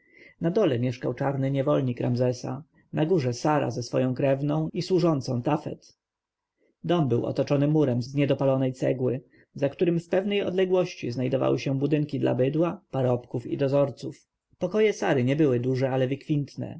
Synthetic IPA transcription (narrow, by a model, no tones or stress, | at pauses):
nad̪ɔlɛmʲjɛʂkawt͡ʂaɾnɘɲɛvɔlɲikɾamzɛsa̰ | naɡuʐɛsaɾa̰zɛsfɔ̰jɔ̃w̃kɾɛvnɔ̃w̃iswuʐɔnt̪sɔ̃w̃t̪afɛ̰t̪ | d̪ɔmbɘwɔ̰t̪ɔt͡ʂɔnɘmuɾɛmzzɲɛd̪ɔpalɔnɛjt̪sɛ̰ɡwɘ | zakt̪uɾɘmfpɛvnɛjɔ̰d̪lɛɡwɔɕt͡ɕiznajd̪ɔva̰wɘɕɛbud̪ɘŋkʲid̪la̰bɘd̪wapaɾɔpkufḭd̪ɔzɔɾt̪suf | pɔkɔjɛsaɾɘɲɛbɘwɘd̪uʐɛalɛvɘkfʲint̪nɛ̰